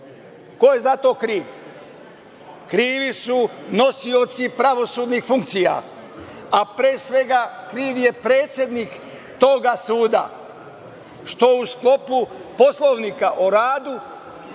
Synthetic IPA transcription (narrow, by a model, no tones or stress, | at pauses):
ko̞je̞zat̪o̞ːkɾiːʋ | kɾiːʋisuno̞sio̞t̪sipɾaʋo̞suːd̪nixfuŋkt̪sija̰ | apɾeːsʋe̞ɡakɾiːʋje̞pɾe̞ːt̪sʲje̞d̪nik | t̪o̞ɡasuːd̪a̰ | ʃt̪o̞usklˠo̞pupo̞slˠoʋnikaʔoɾaːd̪u